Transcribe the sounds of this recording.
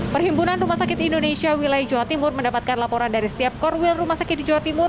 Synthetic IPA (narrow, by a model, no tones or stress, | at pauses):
pərɦimbunanrumahsakɪt̪indonesiawilajd͡ʒowat̪imʊrməndapat̪̚kanlapoɾandaɾisə̥t̪iap̚kɔrwɪlrumahsakɪt̪̚did͡ʒowat̪imʊr